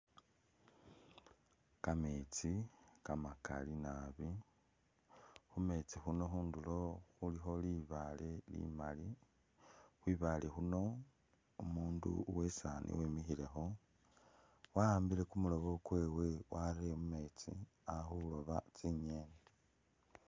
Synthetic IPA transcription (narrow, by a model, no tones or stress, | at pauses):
kamet͡sikamaka̰linaβi | xume̞t͡sixuno̞xuːndulo̞xulixo̞liβalelḭmali | xwiːβaːlʔexuno̞ | umuːndṵwe̞sanʔḭweːmixile̞xo̞ | waaːmbile̞kumulo̞βo̞kwe̞ːwe̞wʔaɾemume̞t͡sḭ | axulo̞βat͡siɲe̞ːne